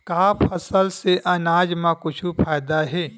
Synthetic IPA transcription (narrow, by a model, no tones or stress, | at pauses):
kaːpʰɐsəlseʔɐnaːd͡ʒmãkʊt͡ʃʰupʰaːjd̪aɦɛː